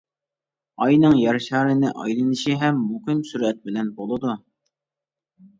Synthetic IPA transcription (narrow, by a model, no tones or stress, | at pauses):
ɑjnɨŋjɑɾʃɑːɾɨnɪʔɑ̰jlˠɨnɨʃiɦɛmːukɪmsyɾɛt̪̚bɪlɛnbolˠɨd̪u